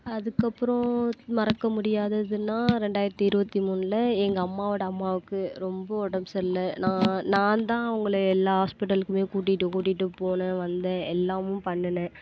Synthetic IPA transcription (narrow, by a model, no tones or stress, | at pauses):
ɐðɯkːɐpːɯɾõmɐɾɐkːɐmʊɽɪjaːðɐðɯnːaːɾɛɳɖaːjɪɾɐt̪ːiɪɾɯbɐt̪ːimuːnlɐɛŋɡɐːmːaːʋɐɽɐɐmːaːʋɯkːɯɾɔmbɐɔɽɐmsɛllːɐnãːnãːt̪ãːɐʋɐŋɡɐɭɯɛlːaːɦaːspɪʈ̬ːɐlkːɯmeːkuːʈ̬ːɪʈːɯkuːʈ̬ːɪʈːɯpoːnɐʋɐnd̪ɐɛlːaːmʊ̃mpɐɳːɐnɛ̃